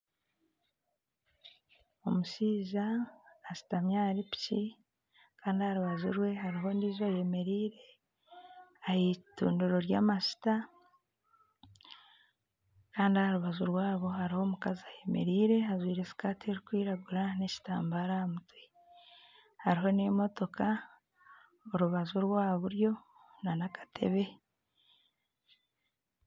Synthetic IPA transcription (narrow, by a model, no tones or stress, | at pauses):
o̞muʃiːzaːsi̥tamɲaːɾipi̥ci | kaːndihaɾuβazuɾwe̞ɦaɾiɦo̞ndiːzaje̞me̞ɾiːɾe̞ | ahitṵːnduɾo̞ɾjaːmasi̥ta | kaːndiahaɾuβazuɾwaːβo̞haɾiho̞ːmukaziaje̞me̞̰ɾiːɾe̞ɦazwiːɾe̞si̥kaːtieɾikwiːɾaɡuɾaneci̥taːmbaɾaamutwe | haɾiɦo̞nemo̞to̞kʰa | oɾuβazuɾwaːβuɾjo̞ | nanakḁtʰe̞̰βe̞